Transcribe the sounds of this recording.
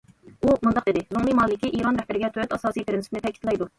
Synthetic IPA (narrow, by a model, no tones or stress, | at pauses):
umund̪ɑqd̪ɪd̪ɪzoŋlˠimɑːlɪkʲiʔiɾɑnɾɛhbɪɾɪɡʲɛt̪ʰøɾɛt̪ɑsɑːsijpʰɪɾɪnsɪ̥pɪnɪt̪ʰɛkʲʰit̪lˠɑjd̪u